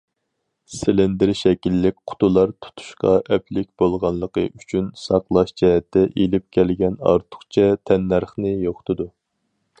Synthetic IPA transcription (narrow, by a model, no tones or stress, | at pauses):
sɪlɪnd̪ɪɾʃɛkʲilːɪkʲqʰʊ̥t̪ulˠɑɾt̪ʰu̥t̪ʰu̥ʃqɑʔɛpʰlɪkʲb̥olˠʁɑnlˠəqə̰ʔyt͡ʃʰynsɑqlˠɑʃd͡ʒɛɦɛt̪ʰːɛʔelɪp̚kʲʰɛlɡʲɛnɑ̰ɾt̪ʰʊ̥χt͡ʃʰɛt̪ʰɛnːæɾχnɨjoχt̪ʰɨd̪u